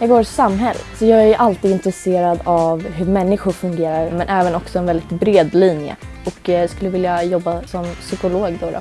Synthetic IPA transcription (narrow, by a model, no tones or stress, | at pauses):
jɑːɡoːɾsamːɦɛlːə̰t̪sɔjɑːɡæɾʔalt̪iːd̪ɪnt̪ɾɛseːɾad̪avɦɵɾmɛnːɪɧʊɾfɵŋɡeːɾaɾmɛnʔɛːvənɔksɔɛnvɛld̪ɪt̪bɾeːd̪liːnjə̰ | ɔkskɵlːəvɪljajɔbːasɔmsʏkʊloːɡd̪oɾɔ̰